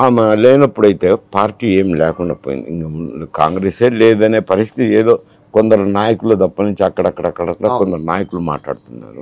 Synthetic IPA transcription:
aːmelɛːnɐpːuɽɐjit̪e̞ːpaːɾʈːiːeːmlɛːkuɳɖa̰ːpoːjḭnd̪iiŋkauka̰ːŋɡɾeːseːlɛːd̪ɐne̞ːpɐɾist̪ʰit̪ieːd̪o̞ː | kond̪ɐɾunaːjɐkuɭud̪ɐpːɐnuɲt͡ʃiɐkːɐɽɐɐkːɐɽɐkːɐɽɐt̪ːakond̪ɐɾunaːjɐkuluma̰ːʈla̰ːɽut̪unːa̰ːɾu

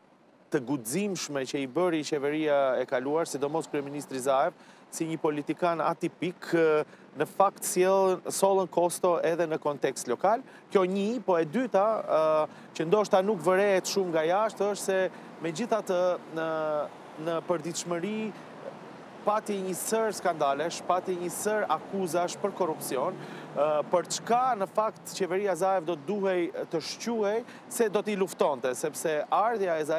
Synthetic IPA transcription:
t̪əɡuzimʃmɛt͡ɕəibəɾit͡ɕɛvəɾiaɛkaluaɾsid̪ɔmɔskɾyɛminist̪ɾizaɛv | siɲəpɔlit̪ikana̰t̪ipik | nəfakt̪sjɛlsɔlˠənkɔst̪ɔʔɛðɛnəkɔnt̪ɛkst̪lɔkal | kjɔɲipɔɛd̪yt̪a | t͡ɕənd̪ɔʃt̪anukvəɾɛɛt̪ʃumŋɡajaʃt̪əʃt̪sɛ | mɛd͡ʑiθat̪əə | nəpəɾd̪it̪ʃməɾi | pat̪iɲəsəɾskand̪alɛʃpat̪iɲəsəɾakuzaʃpəɾkɔrupsiɔn | pəɾt͡ʃkanəfakt̪t͡ɕɛvɛɾiazaɛvd̪ɔt̪̚d̪uɦɛjt̪əʃcuhɛj | sɛd̪ɔt̪əiluft̪ɔnt̪ɛsɛpsɛaɾðjaɛzaɛ

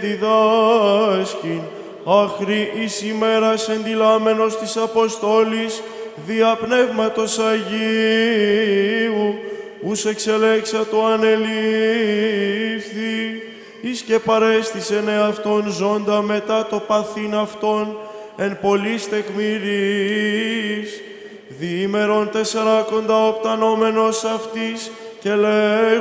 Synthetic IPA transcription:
d̪iðɐ | scin | ɐxɾiʔisime̞ɾɐse̞nd̪ilɐme̞no̞st̪isɐpo̞st̪o̞lis | ðiɐpne̞vmɐt̪o̞sɐʝi | u | use̞kse̞le̞ksɐt̪oɐne̞li | fθi | isce̞pɐɾe̞st̪ise̞ne̞ɐft̪o̞nzo̞nd̪ɐme̞t̪ɐt̪o̞pɐθinɐft̪o̞n | e̞npo̞list̪e̞kmiɾi | s | ðime̞ɾo̞nt̪e̞se̞ɾɐko̞nd̪ɐopt̪ɐno̞me̞no̞sɐft̪is | ce̞le

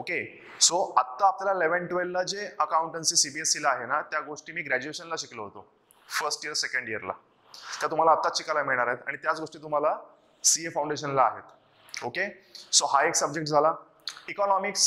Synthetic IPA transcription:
oke | soat̪ːaapljalaleʋəɳʈʋelːad͡zeəkaũɳʈənsiːsibiesːilaaɦenat̪jaɡoʂʈiːmiːɡɾæd͡ʑueɕənlaɕikləɦot̪o | fəɾsʈiəɾsekəɳɖjəɾla̰ | t̪jat̪um̤alaːt̪ːat͡ɕikalamiɭɳaɾaɦet̪a̰ɽ̃it̪jat͡sɡoʂʈiːt̪um̤ala | siefaw̃ɳɖeɕənla̰ːɦet̪ | oke | soɦaeksəb̚d͡ʑekʈd͡zʱala | ikɔnɔmiks

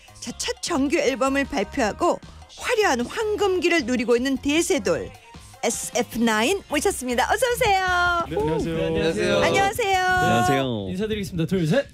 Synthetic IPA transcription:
t͡ɕat͡ɕʰʌt̚t͡ɕʌŋɡjuiɭbʌmɯɭpaɭpʰjoɦaɡoɸwaɾjʌɦanɸwaŋɡɯmɡiɾɯɭnuɾiɡoinːɯnte̞sʰe̞doɭ | esʰɯepʰɯnainmot͡ɕʰʌs͈ɯmɲidaʔʌsʰʌs̬ʰe̞jo | aɲʌasʰe̞joeinsʰadɯɾiɡes͈ɯmid̪atʰois̬ʰe

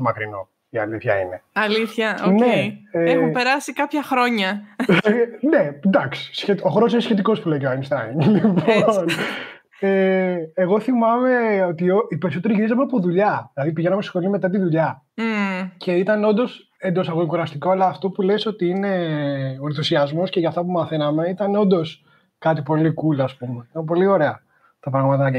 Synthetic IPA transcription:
mɐkɾino̞̰ | iɐ̰liθçɐ̰ḭne̞ɐliθçɐoneeeumpeɾɐsikɐpçɐxɾo̞ɲɐ | ne̞d̪ɐksi̥sçet̪oxɾos̬inesçe̞t̪iko̞spuleiceoajnst̪ɐ̰ŋlipoon | eːɣo̞θimɐme̞o̞t̪ioipe̞ɾisot̪eɾiʝiɾizɐmeɐpo̞ðuʎɐilɐðipiʝe̞nɐmest̪sxo̞lime̞t̪ɐt̪iðuʎɐ | ce̞it̪ɐneo̞nd̪o̞s | e̞nd̪o̞sɐɣoikuɾɐst̪iko̞ɐlɐːft̪o̞pule̞so̞t̪iine̞oɾnθusiɐzmo̞sce̞ʝɐːft̪ɐpumɐθe̞nɐme̞it̪ɐneo̞nd̪o̞s | kɐt̪ipo̞likulɐspume̞it̪ɐmp̬o̞lio̞ɾe̞ɐ | t̪ɐpɾɐɣmɐt̪ɐnɐk

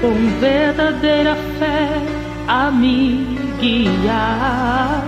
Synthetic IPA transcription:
kõŋ̃veɾd̪ad̪eɾɐfɛ | amĩ | ɡia

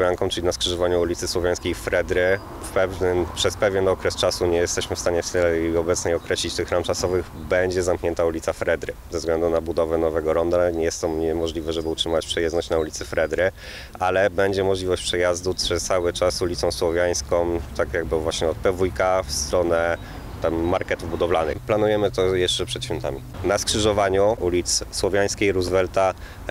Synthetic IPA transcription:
jaŋkɔ̃t͡ʂɘlʲinaskʂɘʐɔvaɲuulʲit̪sɘswɔvʲjaj̃skʲejfɾɛd̪ɾɘ | fpɛvnɘpʂɛspɛvʲjɛnɔkɾɛst͡ʂasuɲɛjɛst̪ɛɕmɘfst̪aɲɛft̪ɛlɛjɔbɛt̪sɲɛjɔkɾɛɕlʲit͡ɕt̪ɘxɾamt͡ʂasɔvɘɣ | bɛɲd͡ʑɛzamkɲɛnt̪aulʲit̪safɾɛd̪ɾɘzɛzɡlɛnd̪unabud̪ɔvɛnɔvɛɡɔɾɔnd̪aɲɛjɛst̪ɔmɲɛmɔʐlʲivɛʐɛbɘutʂɘmat͡ɕpʂɛjɛznɔɕt͡ɕnaulʲit̪sɘfɾɛd̪ɾɘ | ʔalɛbɛɲd͡ʑɛmɔʐlʲivɔɕt͡ɕpʂɛjazd̪upʂɛst̪sawɘt͡ʂasulʲit̪sɔ̃w̃swɔvʲjaj̃skɔ̃mt̪akjaɡ̚bɘvwaɕɲɛɔt̪̚pɛvujkafst̪ɾɔnɛ | t̪ɛmːaɾkɛt̪uvbud̪ɔvlanɘ̰planujɛmɘt̪ɔjɛʂt͡ʂɛpʂɛt̪ɕfʲjɔnt̪a̰mʲi | naskʂɘʐɔvaɲuulʲit̪sswɔvʲjaj̃skʲejɾuzvɛlt̪a

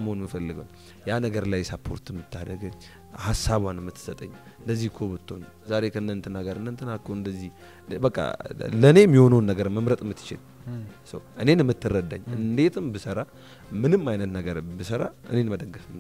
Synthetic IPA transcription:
məonmɨfəlːɨɡəwn | janəɡəɾlajsapʰːo̞̰ɾt̪ɨmːɨt̪ʰːad̪əɡɨɲː | hasaβwanɨmːɨt̪ʰːɨ̥sət̪ʼəɲː | ɨnd̪əzːihkʰobɨt̪ʰːo̞̰n | zaɾe̞kʰəɨnːənt̪ʰɨnaɡəɾɨnːənt̪ʰːɨnakʰːoɨnd̪əzːih | bəkʼːa̰ləne̞mːiho̞nəwnːəɡəɾmːəmɾət̪ʼɨmːɨt̪ːɨ̥t͡ʃɪ̰l | sə̰wʔɨne̞nɨmːɨt̪ːɨrːəd̪ːa̰ɲːɨnd̪e̞t̪ʰɨmbɨsəɾa | mɨnɨmːajnət̪nəɡəɾbɨsəɾa̰ʔɨ̰ne̞nməd̪əɡːəfɨn

